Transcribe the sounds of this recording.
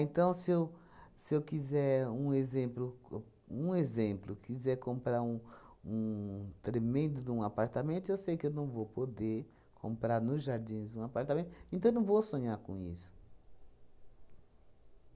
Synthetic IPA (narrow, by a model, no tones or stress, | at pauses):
ẽnt̪ɐ̃w̃sɪew | sɪewkizɛɾũezẽmplʊ | ũezẽmplʊkizɛɾkõmpɾaɾũũt̪ɾemẽnd̪ʊd̪ũapaɾt̪amẽnt̪ʊewsejkɪewnɐ̃w̃vowpod̪eɾ | kʰõ̰mpɾaɾnʊzʒaɾd͡ʒ̪ĩzd̪ũapaɾt̪amẽnt̪ʊẽt̪ɐ̃ewnɐ̃w̃vowsõɲaɾkõ̰ḭsʊ̥